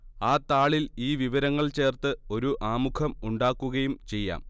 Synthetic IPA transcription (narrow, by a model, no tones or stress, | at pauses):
aːt̪ːaːɭiliːʋiʋɐɾɐŋːɐɭt͡ɕe̞ːrt̪ɨo̞ɾuʔaːmukʰɐmuɳɖaːkːuɣɐjumt͡ɕe̞jːa̰ːm